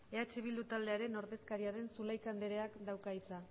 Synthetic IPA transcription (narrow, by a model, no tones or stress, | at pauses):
e̞at͡ʃeβ̞ild̪ut̪ald̪e̞aɾe̞no̞ɾðe̞skaɾiaɾe̞nsulajkand̪e̞ɾe̞akd̪awkait͡sa